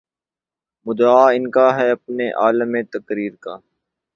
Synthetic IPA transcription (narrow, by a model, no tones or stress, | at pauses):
mʊd̪aːɪnkaɦɛɐpneʔaːləmẽt̪ɐkɾiːɾkaː